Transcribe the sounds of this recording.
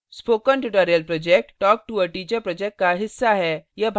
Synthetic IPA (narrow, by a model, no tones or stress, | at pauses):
spoːkənʈuʈoːɾijəlpɾɔːd͡ʒek̚ʈːɔːk̚ʈuəʈiːt͡ʃəɾpɾɔd͡ʒek̚ʈ̚kaɦɪsːaɦɛjɐbʱ